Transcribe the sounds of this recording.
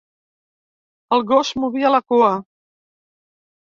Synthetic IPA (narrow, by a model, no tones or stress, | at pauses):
əlˠɣoʃmuβiələkuə